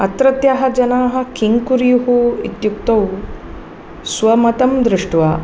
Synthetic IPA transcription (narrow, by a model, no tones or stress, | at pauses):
ɐt̪ɾɐt̪jaɦɐ̆d͡ʒɐnaːɦɐ̆kiŋkuɾijuɦuit̪juk̚t̪ɐw | sʋɐmɐt̪ɐmd̪ɾɪʂʈʋaː